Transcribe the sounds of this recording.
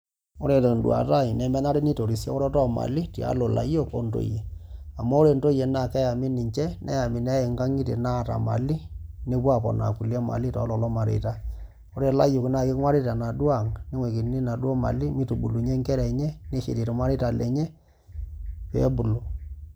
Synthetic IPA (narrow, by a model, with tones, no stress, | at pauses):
o˦ɾe˨to˨n˨dw̰a̰˨ta˦˨jnɛ˨mɛ˦na˦ɾe˦ni˦to˨ɾi˨sja̰˦ɔ˦ɾɔ˦tɔ˦ma̰˨li˦tḭ˨a̰˨˦lo˨la̰˨jo˦ko̰˦nto̰˨je˨a˨mɔ˦o˦ɾe˨nto˦je˨na˦˨kɛ˦ja˨mi˦ni˨ɲt͡ʃɛ˦nʔɛ̰˦ja˨mi˨nɛ˦e˨ŋɡa˦ŋi˦tḛ˨na˦˨ta̰˨ma̰˨li˦ne˦pwa˦˨pɔ̰˨na̰˨ku˨la˦ma̰˨li˦tɔ̰˨˦lɔ˨lɔ˦ma˨ɾḛ˨ta˦ | o˦ɾe˨la˦jʊ˨kna˨kɪ˦kŋwa˦ɾi˦ta˨na˨dwa˦˨ŋne˦ŋwe˨ki˨˦ni˦na˨dwɔ˦ma̰˨li˦mi˦tu˨bu˨lu˨ɲe˦ŋkɛ˦ɾɛ˨ɲɛ˦ne˦ʃḛ˨ti˨to˨mwa˦ɾi˦ta˨lɛ̰˨ɲɛ˦ | pɛ̰˦bu˨lu˨